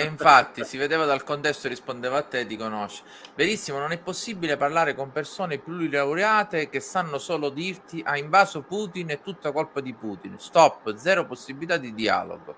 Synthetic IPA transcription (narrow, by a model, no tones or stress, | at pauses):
iɱffat̪ːisived̪eːvad̪alkont̪ɛst̪orːispond̪eːvaat̪ːed̪ikonoʃe̥ | beɾisːimononɛpːosːibileparlaːɾekompersoːnepjuilawɾjaːt̪ek̟esanːosoːlod̪irt̪iʔaiɱvaːsopuːt̪inet̪ːut̪ːakolpad̪ipuːt̪inst̪ɔpːd̪zɛːɾoposːibilit̪ad̪id̪ia̰lo̰ɡo̰